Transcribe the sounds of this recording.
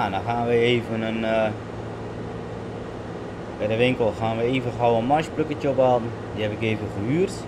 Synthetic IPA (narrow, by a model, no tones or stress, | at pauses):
anɔxaːnʋəeːvənən | bɛjdəʋɪŋkəlˠxaːnʋəeːvəxɔwənmaʃpløkətəopaːdn̩ | diɦɛpɪkeːvəχəhyərt